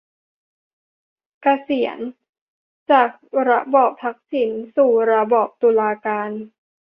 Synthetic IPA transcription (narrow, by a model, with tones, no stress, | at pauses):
ka˧si˨˩˦ən | t͡ɕaː˨˩k̚ɾa˦˥bɔː˨˩p̚t̪ʰa˦˥k̚si˩˦nsuː˨˩ɾa˧bɔː˨˩p̚t̪u˧laː˧kaː˧n